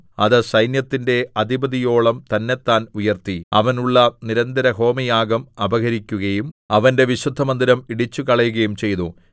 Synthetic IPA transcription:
ɐðɨsɐjnjɐt̪ːinde̞ɐd̪ibɐðijo̞ːɭɐmt̪ɐnːe̞t̪ːaːnujɐrt̪iɐ̰ʋɐnuɭːɐniɾɐnd̪ɐɾɐɦo̞ːmijaːɡɐmɐbɐɣɐɾikʲːuɣɐjumɐʋɐnde̞ʋiɕud̪ʱːɐmɐnd̪iɾɐmiɽit͡ɕːukɐɭɐjuɣɐjumt͡ɕe̞jnu

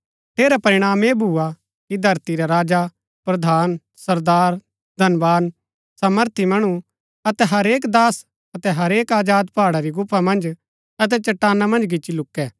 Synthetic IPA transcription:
ʈʰeːɾapɐɾɪɽ̃aːmebʱuːa | kid̪ʱɐɾt̪iɾaɾaːd͡ʒa | pɾɐd̪ʱaːn | sɐɾd̪aːɾ | d̪ʱɐnʋaːn | saməɾt̪ʰimɐɽ̃u | ɐt̪ɛɦɐɾeːkd̪aːs | ɐt̪ɛɦɐɾeːkaːd͡ʒaːd̪paːɽaɾiɡʊpʰːamɐ̃nd͡ʒ | ɐt̪̬ɛt͡ʃɐʈːaːnamɐ̃nd͡ʒɡɪt͡ʃːt͡ʃːilʊkːɛː

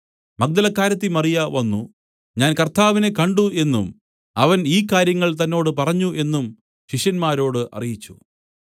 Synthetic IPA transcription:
mɐk̚d̪ɐlɐkːaːɾɐt̪̬ːimɐrijɐʋɐnːu | ɲaːnkɐrt̪ʰaːʋine̞kɐɳɖue̞nːum | ɐʋɐniːkːaːɾjɐŋːɐɭt̪ɐnːo̞ːɽɨpɐrɐɲːuʔe̞nːum | ɕiʂjɐnmaːɾo̞ːɽɨʔɐ̰rijit͡ɕːu

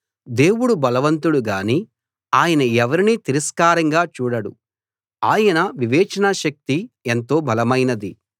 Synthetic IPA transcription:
d̪e̞ːwuɽubɐlɐʋɐnt̪uɽuɡaːni | aːjɐnɐɛʋɐɾinit̪iɾɐskaːɾɐŋɡaːt͡ʃuːɽɐɽṵ | aːjɐnɐʋiʋɛːt͡ʃɐnaʃɐk̚t̪ient̪o̞ːbʱɐlɐmɐjnɐd̪i

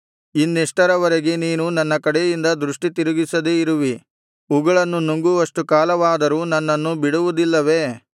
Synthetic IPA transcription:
inːeʂʈɐɾɐʋɐɾeɡe̞niːnunɐnːɐkɐɽejind̪ɐd̪ɾuʂʈit̪iɾuɡisɐd̪eiɾuʋi | uɡɐɭɐnːunuŋɡuʋɐʂʈukaːlɐʋaːd̪ɐɾunɐnːɐnːubiɽuʋud̪ilːɐʋe̞

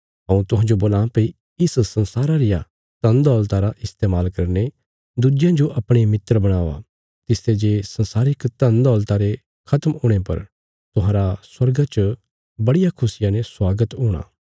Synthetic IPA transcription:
ɦɐ̃ũt̪ʊ̃ɦãd͡ʒoboːlãːpei | ɪssɐ̃nsaːɾaɾɪja | t̪ɐ̃nd̪ɔːlt̪aɾaʔɪst̪eːmaːlkɐɾne | d̪ud͡ʒjãd͡ʒoʔɐpɽ̃emɪt̪ːɾəbɐɽ̃aːʋa̰ | t̪ɪst̪ed͡ʒeːsɐnsaːɾɪkt̪ɐ̃nd̪ɔːlt̪aɾe | kʰɐt̪mʊːɽ̃epɐ̰ɾ | t̪ʊɦãːɾaswɐɾɡat͡ʃ | bɐɽɪjakʰʊsɪjãneswaːɡət̪ɦuːɽ̃a̰ː

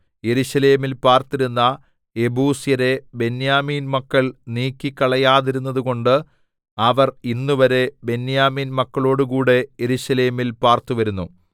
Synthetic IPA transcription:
je̞ɾuɕɐle̞ːmilpaːrt̪iɾunːɐ | e̞buːsjɐɾe̞be̞njaːmiːnmɐkːɐɭniːkʲːikːɐɭɐjaːðiɾunːɐðuɣo̞ɳɖɨ | ɐʋɐrinːuʋɐɾe̞be̞njaːmiːnmɐkːɐɭo̞ːɽukuːɽe̞jeɾuɕɐle̞ːmilpaːrt̪uʋɐɾunːu

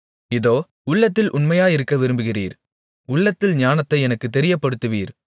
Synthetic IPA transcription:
ɪðoː | ʊɭːɐt̪ːɪlʔʊnmɐjaːjɪɾɯkːɐʋɪɾɯmbɯɣɪrḭːɾ | ʊɭːɐt̪ːɪlɲaːnɐt̪ːɐɪɛnɐkːɯt̪ːɛɾɪjɐpːɐɽɯt̪ːɯʋiːɾ

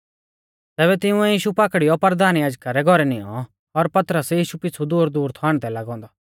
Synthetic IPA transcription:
t̪ɛːbɛt̪ɪʊ̃ɛjiːʃupakɽijɔpɐɾd̪aːnjaːd͡ʒkaɾɛɡʱɔɾɛnɪ̃ɔ̰̃ | ɔɾpɐt̪ɾəsjiːʃupɪt͡sʰud̪uːɾd̪uːɾt̪ʰaːɽ̃t̪ɛlɐɡɔ̃ːnd̪aː

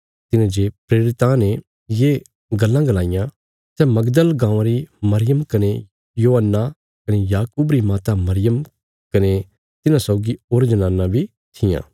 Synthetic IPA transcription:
t̪ɪnãd͡ʒepɾeːɾɪt̪ãne | je | ɡɐlːãɡɐlaːɪjã | sɛmɐɡd̪əlɡãːʋãɾimɐɾɪjəmkɐne | joːɦənːa | kɐnejaːkuːbɾimaːt̪amɐɾɪjəm | kɐne | t̪ɪnãsɔːɡioːɾd͡ʒɐnãːnãbʱi | t̪ʰɪjã̰ː

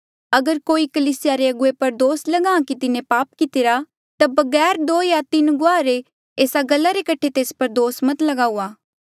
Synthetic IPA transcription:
ɐɡəɾkoːikɐliːsɪjaɾeɐɡʊepɐɾd̪oːslɐɡãːãkit̪ɪnẽpaːpkɪt̪ɪɾa | t̪abɐɡɛːɾd̪oːjat̪ɪnɡʊaːɾe | eːsaɡɐlːaɾekɐʈʰet̪eːspɐɾd̪oːsmɐt̪lɐɡaːuaː

